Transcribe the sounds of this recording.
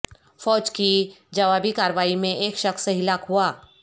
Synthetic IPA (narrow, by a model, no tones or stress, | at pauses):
fɔːd͡ʒkid͡ʒɐʋaːbikaːɾʋaːimẽʔeːkʃɐxseɦɪlaːkɦuaː